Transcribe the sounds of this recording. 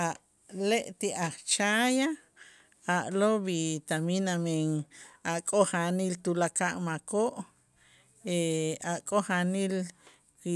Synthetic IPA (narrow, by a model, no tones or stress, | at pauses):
aʔ | leʔt̪iʔaχt͡ʃaja | aʔloβit̪aminameŋaʔkʼoχanilt̪ulakaʔmakoʔ | eaʔkʼoχanil | ki